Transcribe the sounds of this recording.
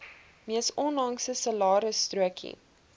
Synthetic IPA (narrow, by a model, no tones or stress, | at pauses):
miəsɔnlɐŋsəsəlɑːɾəstruəkʰḭ